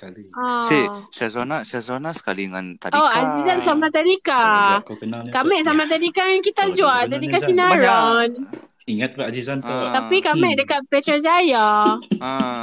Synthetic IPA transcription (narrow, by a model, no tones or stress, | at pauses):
aliasesazonasazonasə̥ka̰liəŋa̰nt̪adoazizansamat̪adikaənkamɛ̃ʔs̬amat̪̬adikakit̪ad͡ʒualt̪adikasinaɾan | iŋat̪̚baazizant̪t̪apikamɛ̃ʔdəkat̪̚pɛt̪ɾad͡ʒaja